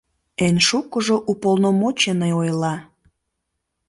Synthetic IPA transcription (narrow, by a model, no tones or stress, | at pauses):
enʃukəʒoʔupolnomot͡ɕenəjojlɑ